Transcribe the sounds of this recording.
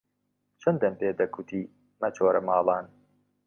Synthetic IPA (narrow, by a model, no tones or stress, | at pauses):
t͡ʃʰɐnd̪ɐnpeːd̪ɐkʰut̪ʰiː | mɐt͡ʃʰoːɾɐmɑːlˠɑːn